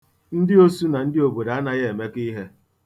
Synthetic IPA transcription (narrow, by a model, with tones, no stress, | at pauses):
n̩˦dɪ˦o˦su˦na˨n̩˦dɪ˦o˨bo˨da˨a˦na˦ɣe˦e˨me˦ki˦ɦe˦